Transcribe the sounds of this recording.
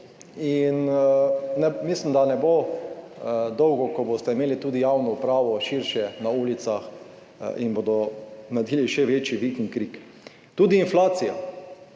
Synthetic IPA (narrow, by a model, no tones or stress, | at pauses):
in | nɛmislimd̪anɛbo | d̪ɔwɡɔkɔbost̪ɛimeːlit̪uːd̪ijawnɔupɾaːʋɔʃiɾʃjɛnauːlit̪sax | ḭnbod̪ɔnad̪iːliʃɛʋeːt͡ʃiʋikiŋkɾik | t̪uːd̪iːnflaːt̪sija